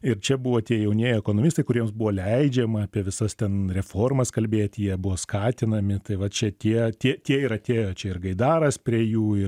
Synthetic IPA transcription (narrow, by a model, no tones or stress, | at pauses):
ɪɾt͡ʃʲɛbuʋoːt̪ʲiɛjɛʊnʲiɛjɛkoːnoːmʲist̪ɐɪkʊɾʲiɛmsbʊʋoːlʲɛɪd͡ʒʲɛmɐɐːpʲiɛʋʲɪsɐst̪ʲɛnɾʲɛfoːrmɐskɐlʲbʲeːt̪ʲjiɛbuʋoːskɑːt̪ʲɪnɐmʲɪt̪ɐɪʋɐt͡ʃʲɛt̪ʲiɛt̪ʲiɛtʲiɛɪɾɐt̪ʲeːjoːt͡ʃʲɛɪrɡɐɪd̪ɑːɾɐspʲɾʲiɛjuːɪ